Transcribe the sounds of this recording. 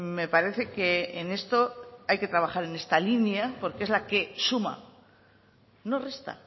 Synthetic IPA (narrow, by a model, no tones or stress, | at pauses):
me̞paɾe̞θe̞ke̞ːne̞st̪o̞ajke̞t̪ɾaβaχaɾe̞ne̞st̪alinjapo̞ɾkee̞zlake̞suma̰ | no̞re̞st̪a̰